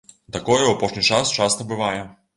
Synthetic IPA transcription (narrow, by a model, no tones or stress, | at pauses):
t̪ɐkɔjɛapɔʂnʲijt͡ʂast͡ʃast̪ɐbɨvajɛ